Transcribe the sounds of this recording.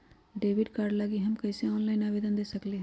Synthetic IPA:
ɖeːʋɪɖkaːɾɖlaɡiɦɐmkɐːseɔːnlaːɪnaːʋeːd̪ənd̪eːsɐkleɦɛ̃

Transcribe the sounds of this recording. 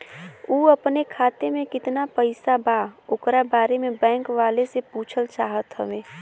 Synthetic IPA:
uːəpnekʰaːt̪emẽkɪt̪napəɪsabaoːkɾabaːɾemebɛ̃ːŋkʋaːlesepuːt͡ʃʰəlt͡ʃaːɦət̪ɦəbẽː

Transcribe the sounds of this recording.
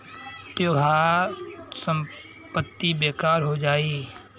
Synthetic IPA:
pɾɐbʱaː | sə̃m | pət̪ːibeːkaːɾɦod͡ʒaːiː

